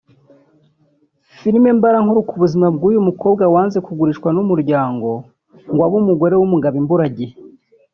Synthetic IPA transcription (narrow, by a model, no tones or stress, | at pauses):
fiɾime̞mbaɾaŋhoɾukuβuzimab̚ɡuːjumuko̞ːbɡawaːnzekuɡuɾiʃkwanumuɾɟaːŋɡo̞ | ŋɡwaβumuɡo̞ɾe̞wumuɡaβimbuɾaɟe